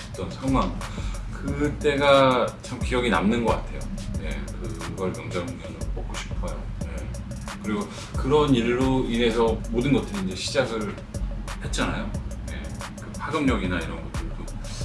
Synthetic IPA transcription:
t͈ʌnsʰʌŋwaŋkɯt͈e̞ɡat͡ɕʰamkijʌɡina̰mnɯnɡʌk͈atʰe̞̰jojḛkɯɡʌɭmjʌŋd͡ʑaŋɡʌnɯpʌk͈oɕʰi̥pʰʌjo | je | kɯɾiɡo | kɯɾʌniɭːoine̞sʰʌmodɯnɡʌt͈ɯɾiːnd͡ʑe̞ɕʰid͡ʑaɡɯɭ | he̞t̚t͡ɕ͈anajoje̞̰kɯpʰaɡɯmɲʌɡinaiɾʌnɡʌt͈ɯɭdo

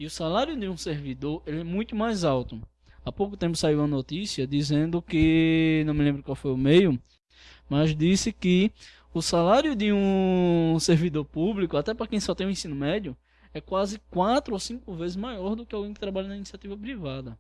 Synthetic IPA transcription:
iʊsalaɾjʊd̪ɪũseɾvid̪oɾelɪɛmũj̃t̪ʊmajzawt̪ʊ | apowkʊt̪ẽmpʊ̥saiwɐnot̪isiɐd̪izẽnd̪ʊkɪnɐ̃w̃mɪlẽbɾʊkwawfojʊmejʊ | mɐzd̪isɪkɪ | ʊsalaɾjʊd̪ɪũ | seɾvid̪oɾpublikʊat̪ɛpɾɐkẽj̃sɔt̪ẽj̃ũẽsĩnʊmɛd̪jʊ | ɛkwazɪkwat̪ɾʊosĩkʊvezɪzmajɔɾd̪ʊkɪawɡẽj̃kɪt̪ɾabaʎɐnɐinisiat̪ivɐpɾivad̪ɐ

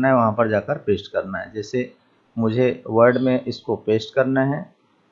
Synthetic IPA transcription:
naɦɛʋɐɦãpɐɾd͡ʒaːkəɾpeːsʈkɐɾnaɦɛd͡ʒɛːse | mʊd͡ʒʱeʋəɾɖmẽʔɪskopeːsʈkɐɾnaɦɛː

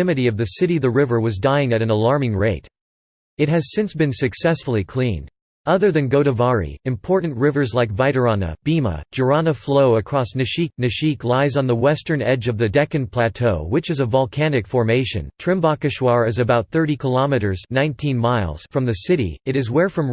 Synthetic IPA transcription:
ɪmɨɾiʌvðɨsɪɾiðɨɹɪvə˞wʌzdãɪɪ̃ŋɨɾɨ̃nəlɑɹmɪ̃ŋɹeɪɾ | ɨt̚ɦɨz̥sɪ̃nsb̥ɨ̃nsɨksɛsfl̩ˠikʰl̥ĩn | ʌðə˞ðɨ̃nɡoʊɾəvɑɹḭɨ̃mpʰɔɹʔn̩ʔɹɪvə˞zlaɪkvaɪɾə˞ɑnə̰b̥imə̰̥d͡ʒə˞ɑnəfloʊəkʰɹ̥ɔsnɨʃik̚nɨʃiklaɪzn̩ðəwɛstə̃˞nɛd͡ʒʌvðɨdɛkɨ̃npʰl̥ætʰoʊwɨt͡ʃɨzəvɑlˠkʰænɨkfɔɹmeɪʃɨ̰̃ntʰɹ̥ɪ̃mbɑkɨʃwɑɹɨzɨbaʊt̪̚θɜ˞ɾikʰəlɑmɨɾə˞znãɪ̃ntʰĩnmaɪlˠz̥fɹʌ̃mðɨsɪɾḭɨɾɨzwɛɹfɹʌ̃m

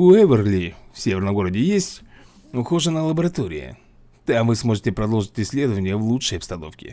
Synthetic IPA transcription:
ʊɛvʲərlʲifsʲevʲɪrnəmɡo̞ɾədʲɪjesʲtʲ | ʊxo̞ʐənəlˠəbəɾɐt̪o̞ɾʲɪ̰jə̰ | d̪̥avɨsmo̞ʐɨtʲɪpɾɐd̪o̞lˠʐɨtʲɪsʲːlʲe̞d̪əvənʲɪjəvlˠuʂəjɐpst̪ɐno̞fkʲɪ̰

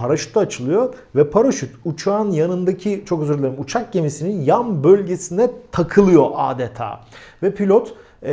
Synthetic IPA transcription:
aɾaʃy̥t̪ʰat͡ʃʰɯlˠɯjovɛpʰaɾaʃyt̪ut͡ʃʰaːnjanɯnd̪acʰit͡ʃʰo̞køzyɾlʲeɾimut͡ʃʰak̚ɟe̞misininjanbølʲɟe̞sind̪ɛt̪ʰakʰɯlˠɯjo̞ʔaːd̪ɛt̪ʰa̰ːvɛpʰilʲot̪

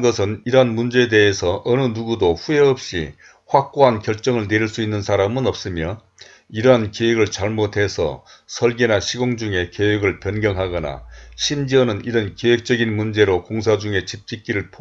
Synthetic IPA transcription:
ɡʌsʰɯniɾʌɦanmund͡ʑe̞de̞esʰʌʔʌnɯnuɡudoɸue̞ʌp̚ɕ͈ḭ | ɸwak̚k͈oɦankjʌɭt͡ɕ͈ʌŋɯɭne̞ɾiɭs͈uinːɯnsʰaɾamɯnʌp̚s͈ɯmjʌ | iɾʌɦankeweɡɯɭt͡ɕaɭmotʰe̞sʰʌ̰sʰʌɭɡenaɕʰiɡoŋd͡ʑuŋe̞keweɡɯɭpjʌnɡjʌŋɦaɡʌna̰ɕʰimd͡ʑiʌnɯniɾʌnkewek̚t͡ɕ͈ʌɡinmund͡ʑe̞ɾokoŋsʰad͡ʑuŋe̞t͡ɕip̚t͡ɕ͈ik͈iɾɯɭpʰo

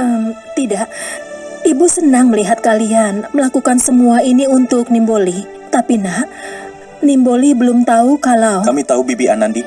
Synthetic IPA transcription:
ʔəmt̪idaʔ | ibusənaŋməliɦat̪̚kalianməlakukansəmuainiunt̪ʊk̚nimboli | t̪apinah | nimbolibəlʊmt̪aukalawkamit̪aubibianandi

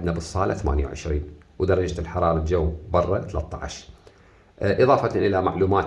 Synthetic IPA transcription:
d̪nabɨsˤːɑːla̰θama̰ːnja̰wʕɪ̰ʃɾiːn | wd̪ɑɾˤɑd͡ʒt̪lħɑɾˤɑːɾˤɑld͡ʒawːbɑrˤːɑt̪alat̪ˤːɑ̰ʕa̰ʃ | ʔɨðˤɑːfɑt̪ʔɪlama̰ʕluːmaːt̪

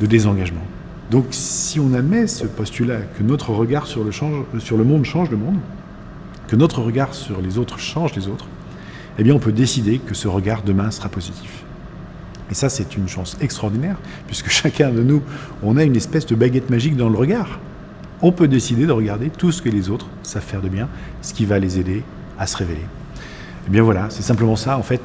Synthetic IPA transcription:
d̪əd̪ezɑ̃ɡaʒmɑ̃ | d̪ɔ̃ksiɔ̃namɛsəpɔst̪ylakənɔt̪χəʁəɡaʁsyʁləʃɑ̃ʒsyʁləmɔ̃d̪ʃɑ̃ʒləmɔ̃d̪ | kənɔt̪χəʁəɡaʁsyʁlezot̪χʃɑ̃ʒlezot̪χ | ebjɛ̃ɔ̃pød̪esid̪ekəsəʁəɡaʁd̪əmɛ̃sə̥ʁapɔzit̪ʰi̥f | esasɛt̪ynʃɑ̃sɛkst̪χɔʁd̪inɛʁ | pɥiskə̥ʃakʰʲɛ̃d̪ənu | ɔ̃naynɛspɛsd̪əbaɡʲɛt̪maʒik̚d̪ɑ̃ləʁəɡaːʁ | ɔ̃pød̪esid̪ed̪əʁəɡaʁd̪et̪usə̥kəlezot̪χ | sav̥fɛʁd̪əbjɛ̃sə̥kʲivalezed̪e | asə̥ʁevele | ebjɛ̃vwalasɛsɛ̃pləmɑ̃saɑ̃fɛt̪

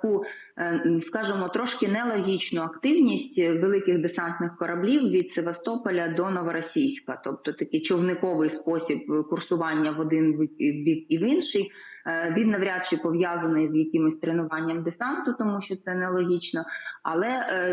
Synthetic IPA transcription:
ku | skɑʒɪmɔt̪ɾɔʃkɪnɛlˠɔɦʲit͡ʃnʊɐkt̪ɪwnʲisʲtʲʋelˠɪkɪɣd̪esɑnt̪nɪxkɔɾɐblʲiwʋʲid̪seʋɐst̪ɔpɔlʲɐd̪ɔnɔʋɐɾɔsʲijsʲkɐt̪ɔp̚t̪ɔt̪ɐkɪt͡ʃɔwnɪkɔʋɪjspɔsʲib̚kʊrsʊʋɑnʲːɐʋɔd̪ɪnʋbʲikiʋinʃɪjʋʲid̪nɐʋɾʲad̪t͡ʃɪpɔʋjazɐnɪjzjɐkʲɪmʊsʲt̪ɾenʊʋɑnʲːɐmd̪esɑnt̪ʊt̪ɔmuʃt͡ʃɔt̪sɛnɛlˠɔɦʲit͡ʃnɔɐ̰lˠɛ

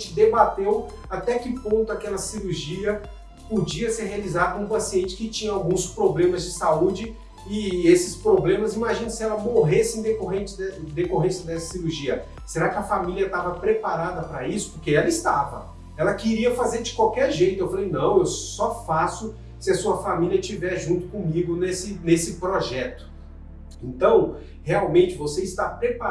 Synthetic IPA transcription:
ẽt͡ʃɪd̪ebat̪ew | at̪ɛkɪpõnt̪ʊakɛlɐsiɾuɾʒiɐ | pod͡ʒiɐseɾɦealizad̪ɐ̃ũpasiẽnt͡ʃɪ̥kɪt͡ʃĩɲɐawɡũspɾoblẽmɐzd͡ʒɪsaud͡ʒɪ | ɪesɪspɾoblẽmɐzimaʒĩnɐsɪɛlɐmoɦesɪẽd̪ekoɦẽnt͡ʃɪɛd̪ekoɦẽsɐd̪ɛsɐ̥siɾuɾʒiɐ | seɾakɪɐfamiliɐt̪avɐpɾepaɾad̪ɐpɾɐisʊ̥pʊɾkeɛlɐɪst̪avɐ̰ | ɛlɐkɪɾiɐfazeɾd͡ʒɪkwawkɛɾʒejt̪ʊewfalejnɐ̃w̃ewsɔfasʊ | sɪɐsuɐfamiliɐt͡ʃivɛɾʒũnt̪ʊ̥kõmiɡʊnesɪnesɪpɾoʒɛt̪ʊ̥ | ẽnt̪ɐ̃w̃ | heawmẽnt͡ʃɪvoseɪst̪apɾepa

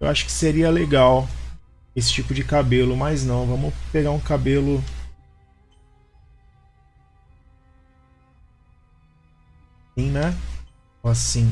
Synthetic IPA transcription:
ewʔaʃʊ̥kɪ̥seɾiɐleɡaw | esɪ̥t͡ʃipʊd͡ʒɪkabelʊmɐznɐ̃w̃vɐ̃mʊpeɡaɾũkabelʊ | ĩj̃nɛ | asĩ

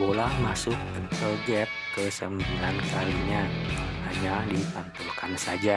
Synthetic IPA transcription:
bolahmasʊk̚ət̪əlɡɛp̪̚kəsəmbilankaliɲaaɲadipant̪ulkansad͡ʒa

